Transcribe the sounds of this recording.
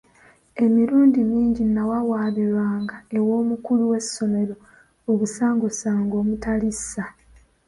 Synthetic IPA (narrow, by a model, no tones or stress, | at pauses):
e̞miɾuːndimiːɲɟinawawaːβiɾaːŋɡae̞wo̞ːmukuluwe̞sːo̞me̞ɾo̞ | oβusaːŋɡosaːŋɡo̞ːmutalisːa